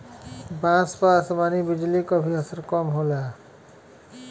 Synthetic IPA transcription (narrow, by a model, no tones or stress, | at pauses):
bãːspaːsmaːnibɪd͡ʒlikobʱiɐsəɾkɔːmɦoːlaː